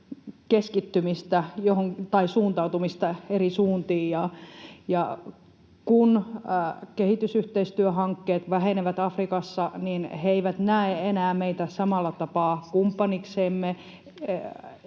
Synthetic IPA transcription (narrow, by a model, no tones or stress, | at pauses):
keskit̪ːymist̪æjohoŋt̪ɑisuːnt̪ɑut̪umist̪ɑerisuːnt̪iːjjɑjɑ | kun | kehit̪ysyht̪eist̪yøɦɑŋkːeːt̪ʋæheneʋæt̪ɑfrikɑsːɑninheeiʋæt̪næeenæːmeit̪æsɑmɑlːɑt̪ɑpɑːkumpːɑnikseːmːe